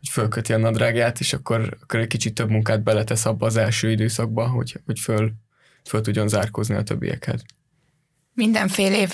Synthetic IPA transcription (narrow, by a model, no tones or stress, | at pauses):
hocfølkøt̪iɒnɒd̪raːɡjaːt̪eːʃɒkːo̞ɾɒkːoɾɛckit͡ʃit̪ːø̞bmuŋkaːd̪̚bɛlɛt̪ɛsɒbːɒːzɛlʃøːid̪øːsɒɡ̚bɒɦo̰cho̞cføl | følt̪uɟːo̞nzaːrkozniɒ̰t̪ø̰bːḭjɛ̰khɛ̰z | mind̪ɛɱfeːleːv